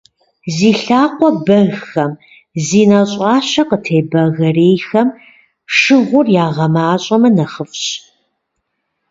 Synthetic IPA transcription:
ziːɬaːqʷɔbɐɣxɐm | ziːnɐɕʼɑːɕɐqətʰeːbɐɣɐreːjxɐm | ʂɨʁʷʊrjaːʁɐmaːɕʼɐmɐnɐχəfɕ

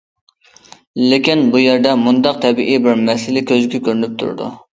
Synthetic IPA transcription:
lɪkʲinbujeɾd̪ɛmund̪ɑq̚t̪ʰɛbiʔibɪɾmɛsɪlɪkʲøzɡʲɛkʲøɾynyp̚t̪ʰṵɾ̰d̪ṵ

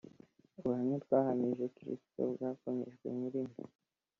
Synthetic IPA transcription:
ɾuhaɲutɡwaːhamiʒeukiɾḭsto̰bɡakoɲḛʒɡwḛɲiɾimi

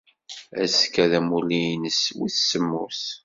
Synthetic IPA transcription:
æskːæðæmulijnəswiθsəmːṵθ

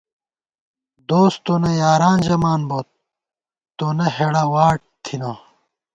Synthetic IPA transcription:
d̪oːst̪onɐjaːɾaːnzɐmaːnboːt̪̚ː | onɐheɽɐwaːʈ̚t̪ʰina

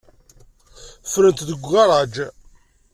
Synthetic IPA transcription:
fɾənt̪ðəɡʷɑɾˤɑd͡ʒ

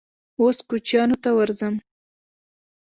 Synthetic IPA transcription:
oskut͡ʃjɑnot̪awaɾzəm

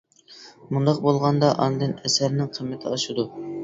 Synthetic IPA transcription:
mund̪ɑq̚bolˠʁɑnd̪ɑʔɑnɨd̪ɨnɛsæɾnɪŋqʰəmːɪt̪ʰɪɑʃɨd̪u

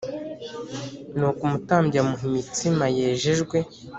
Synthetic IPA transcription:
nukumutaːmbamuɦimitimaje̞ːʒeʒɡwe̞

